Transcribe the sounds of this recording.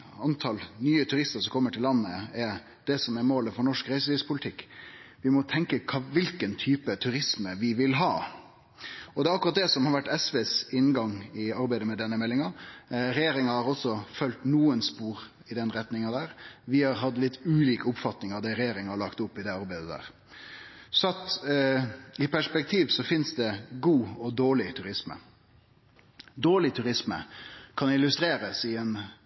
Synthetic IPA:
ɑnt̪ʰɑlnyːət̪ʰʉɾɪst̪əɾsɔmkʰɔmːəʈʰɪlːɑnːəɛɾ | d̪̥ɛsɔmɛɾmoːləfɔɳɔʂkɾæɪsəʋɪspʰʊlɪt̪ʰɪkːʋɪmɔt̪ʰɛŋkəkʰɑʋɪlkənt̪ʰyːpət̪ʰʉɾɪsməʋɪʋɪlɦɑː | ɔd̪ɛɑkʊɾɑt̪̚d̪ɛsɔmhɑɾʋæʈːɛsʋeːsɪnɡɑŋɪɑɾbæɪd̪əmɛd̪ɛnːəmɛlːɪŋɑɾɛjeːɾɪŋɑhɑɾɔsːɔfœlt̪nuːənspuːɾ | ɪd̪ɛnɾɛt̪nɪŋɑd̪æːɾʋɪhɑɾɦɑd̪lɪt̪ːʉːliːkəʊpfɑt̪nɪŋɑʋd̪ɛɾɛjeːɾɪŋhɑɭɑkt̪ʊpːɪd̪ɛɑɾbæɪd̪əd̪æ̰ːʁ | sɔɑt̪ | ɪpʰæʂpɛk̚t̪ʰiːʋsɔfɪnsd̪ɛɡuːɔd̪oːɭɪt̪ʰʉɾɪsmə̰ | d̪oːɭɪt̪ʰʉɾɪsmə̰kʰɑnɪlʉst̪ɾeːɾəsɪɛn

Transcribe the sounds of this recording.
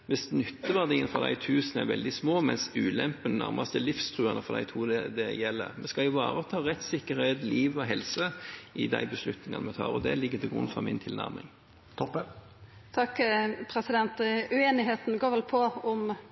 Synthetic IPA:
ʋɛsnʏt̪ːəʋɑd̪ɛiːənfɑʁd̪æ̰ɪt̪ʰʉːsnɛɾʋɛ̰ld̪ɪsmoːmɛnsʉːlɛmpənnæ̰ʁmʔɑst̪ɛlɪfst̪ʰɾʉːɑnəfɔd̪æ̰ɪt̪ʰuːd̪ɛd̪ɛjɛlːə̰ʁmɛskɑɪʋɑ̰ːɾət̪ʰɑːɾɛt̪ːsɪkːəɾheɪt̪liːʋɔɦɛlsəɪd̪æ̰ɪbəslʉt̪nɪŋɑnəmɛt̪ʰɑ̰ːʁɔd̪ɛlɪɡːət̪ʰɪlɡɾʊ̰nːfɔmɪnt̪ʰɪlnæ̰ʁmɪ̰ŋ | t̪ʰɔpːə | t̪ʰɑkːpʰɾɛsɪd̪ɛnt̪ʉeːnɪɦeːt̪n̩ɡoːɾʋɛlpʰɔɔm

